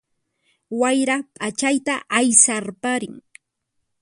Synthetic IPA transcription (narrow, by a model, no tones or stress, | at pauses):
wajɾapʼat͡ʃajt̪aʔajsaɾpaɾɪŋ